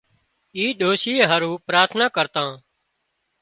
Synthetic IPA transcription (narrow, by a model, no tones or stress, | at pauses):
iːɗoːsiːɦəɾũːpɾaːɾt̪ʰnaːkəɾt̪ãː